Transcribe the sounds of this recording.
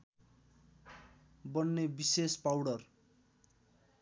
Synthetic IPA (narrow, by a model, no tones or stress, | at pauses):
bʌnːebisespawɽʌr